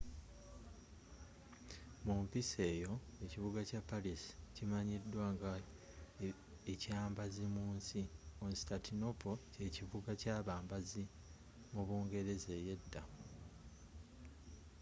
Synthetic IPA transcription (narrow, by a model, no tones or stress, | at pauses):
muɱvise̞ːjo̞e̞civuɡacapːalisi̥cimaɲidːwaːŋɡa | ecaːmbazimuːnsionsitatʰino̞po̞ce̞ːcivuɡacaːβaːmbazi | muβuːŋɡe̞ɾe̞ze̞je̞dːa